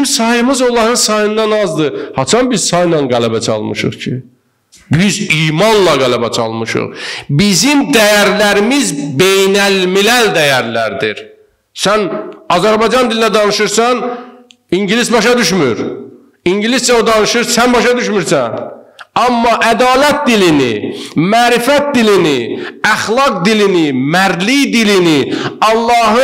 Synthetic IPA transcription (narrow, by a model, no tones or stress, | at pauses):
msɑjɯmɯzo̞lˠɑɾɯnsɑjɯnd̪ɑnɑzd̪ɯhɑt͡ʃʰɑnbiz̥sɑjnɑnɡælæbæt͡ʃʰɑ̰lˠmɯʃɯ̰χcʰi | biziːmɑnlˠɑɡælæbæt͡ʃʰɑ̰lˠmɯʃɯ̰χbizimd̪æjæɾlæɾimizbejnælmilæld̪æjæɾlæɾd̪iɾ | sænɑzæɾbɑjd͡ʒɑnd̪ilinæd̪ɑnɯʃɯɾsɑn | iɲɟilisbɑʃɑd̪yʃmyɾ | iɲɟilisd͡ʒæod̪ɑnɯʃɯɾsænbɑʃɑd̪yʃmyɾsæ̰nɑmːɑʔæd̪ɑːlæt̪̚d̪ilinḭmæːɾifæt̪̚d̪iliniæχlˠɑɡd̪ilinimæɾd̪lijd̪iliniɑlˠːɑːɦɯ